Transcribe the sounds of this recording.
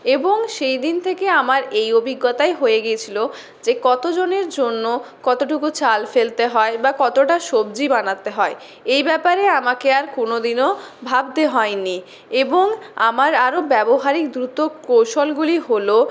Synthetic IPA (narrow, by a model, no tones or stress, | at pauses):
eboŋʃejd̪int̪ʰekeamaɾejobʱiɡːot̪aeɦojeɡiet͡ɕʰilo | d͡ʑekɔt̪od͡ʑoneɾd͡ʑonːokɔt̪oʈukut͡ɕalfelt̪eɦɔebakɔt̪oʈaʃobd͡ʑibanat̪eɦɔe | ejbɛpaɾeamakeaɾkonod̪ino | bʱabt̪eɦɔeni | eboŋa̰maɾaɾobɛboɦaɾik̚d̪ɾut̪okowʃolɡuliɦolo